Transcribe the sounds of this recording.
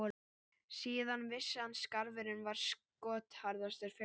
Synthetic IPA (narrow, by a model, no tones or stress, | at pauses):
siːðanvɪsːanskaɾvɪɾɪnvaɾ̥s | kɔːt̪haɾðast̪ɛɾ̥f